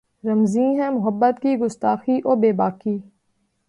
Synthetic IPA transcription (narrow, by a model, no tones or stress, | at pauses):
ɾəmzĩːɦɛ̃mʊɦəbːət̪kiɡʊst̪aːxiʔoːɾbeːbaːkiː